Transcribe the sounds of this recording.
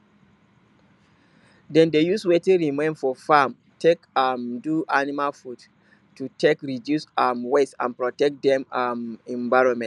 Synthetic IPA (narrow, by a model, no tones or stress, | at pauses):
dɛ̃ndejuswetĩɹimẽnfɔfam | tʰekamduʔanimalfud | tutʰekɹidjusamwetsã̰npɹɔtɛk̚t̚dɛ̃mmɛ̃ɱvaɪɹɔ̃nmɛ̃n